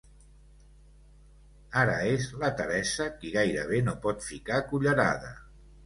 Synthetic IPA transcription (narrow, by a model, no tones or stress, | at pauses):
aɾə̰ezlət̪əɾɛsəkiɣajɾə̰β̞enopɔt̪fikakuʎəɾa̰ðə